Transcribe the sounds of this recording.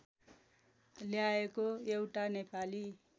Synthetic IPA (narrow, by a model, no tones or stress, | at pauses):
ljaekoewʈanepali